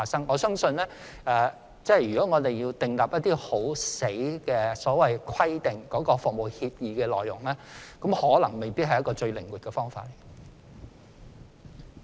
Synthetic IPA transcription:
aː˨sɐ˥ŋɔː˨˧sœː˥ŋsɵ˧nlɛː˥ | ɛː˨˧ | t͡sɛː˥˨jyː˨kɔː˨˥ŋɔː˨˧t̪e˨jjiː˧wt̪ɪ˨˩ŋlaː˨p̚jɐ˥t̪ːiː˥ho˨˥wse˨˥jkɛː˧sɔː˨˥wɐ˨˩jkʰɐ˥jt̪ɪ˨ŋkɔː˨˥kɔː˧fʊ˨k̚mo˨˩whiː˧p̚jiː˨˧kɛː˧lɔː˨˩jʊ̰˨˩ŋlɛː˥kɐ˨˥mhɔː˨˥lɐ˨˩ŋme˨jpi˥ɦɐ˨jɐ˥tkɔː˧t͡ʃɵ˧ɥlɪ˨˩ŋwy˨t̚kɛː˧fɔː˥ŋfa̰ː˧t̚e˨˩

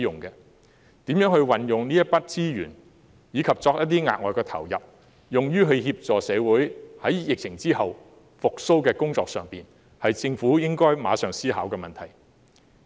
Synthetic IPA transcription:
jʊ˨˩ŋkɛː˧ | t̪iː˨˥mjœː˨˥ŋhɵ˧ɥwɐ˨njʊ˨˩ŋniː˥jɐ˥t̚pɐ˥t̚t͡siː˥jyː˨˩n | jiː˨˧kʰɐ˨p̚t͡sɔː˧k̚jɐ˥t̪̬iː˥ŋa̰ː˨t̚ŋɔː˨jkɛː˧t̪ʰɐ̰˨˩wjɐ̰˨p̚ | jʊ˨ŋjyː˥ɦɵ˧ɥhiː˧p̚t͡sɔː˨˩sɛː˨˧wuː˨˥jhɐ˨˥jjɪ˨k̚t͡sʰɪ˨˩ŋt͡siː˥hɐ˨w | fʊ˨k̚so˥wkɛː˧kʊ˥ŋt͡sɔː˧k̚sœː˨ŋpiː˨n | hɐ˨jt͡sɪ˧ŋfuː˨˥jɪ˥ŋkɔː˥jmaː˨˧sœː˨˩ŋsiː˥haː˨˥wkɛː˧mɐ˨nt̪ʰɐ˨˩j

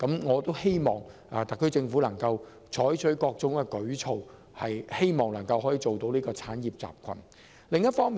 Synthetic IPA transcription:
kɐ˨˥mŋɔː˨˧t̪o˥whe˥jmɔː˨ŋʔɐː˨t̪ɐ˨˩kʰːɵ˥t͡sɪ˧ŋfuː˨˥lɐ˨˩ŋkɐ˧w | t͡ʃʰɔː˨˥jt͡ʃʰɵ˨˥kɔː˧k̚t͡sʊ˨˥ŋkɛː˧kɵ˨˥ɥt͡sʰo˨w | hɐ˨jhe˥jmɔː˨ŋlɐ˨˩ŋkɐ˧wɦɔː˨˥jiː˨˧t͡so˨wt̪o˧wniː˥kɔː˧t͡sʰaː˨˥njiː˨p̚t͡sa̰ː˨p̚kʷʰɐ̰˨˩n | lɪ˨ŋjɐ˥t̚fɔː˥ŋmiː˨

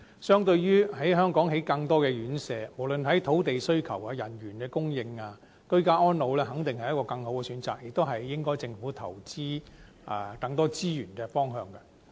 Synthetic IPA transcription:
sœː˥ŋt̪ɵ˧ɥɥyː˥ɦɐ˨˥jɦœː˥ŋkɔː˨˥ŋɦe˨˥jkɐ˧ŋt̪ɔː˥kɛː˧ɥyː˨˥nsɛː˧mo˨˩wlɵ˨nɦɐ˨˥jt̪ʰo˨˥wt̪e˨jsɵ˥ɥkʰɐ̰˨˩waː˧jɐ˨˩njyː˨˩nkɛː˧kʊ˥ŋjɪ˧ŋaː˧ | kɵ˥kaː˥ʔɔː˥nlo˨˧wlɛː˥hɐ˨˥ŋt̪ɪ˨ŋhɐ˨jɐ˥tkɔː˧kɐ˧ŋho˨˥wkɛː˧syː˨˥nt͡saː˨k̚jɪ˨k̚t̪o˥wɦɐ˨jːɪ˥ŋkɔː˥jt͡sɪ˧ŋfuː˨˥t̪ʰɐ̰˨˩wt͡siː˥ | ʔɛ̰˨˩kɐ˧ŋt̪ɔː˥t͡siː˥jyː˨˩nkɛ˧fɔː˥ŋɦœː˧ŋkɐ˧

